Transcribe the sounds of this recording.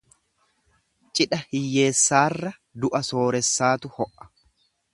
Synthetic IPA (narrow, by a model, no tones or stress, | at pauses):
t͡ʃʼɪᶑɐhɪjːe̞ːsːaːrːɐ | d̪ʊʔɐso̞ːɾɛsːaːt̪ʊhɔʔɐ̥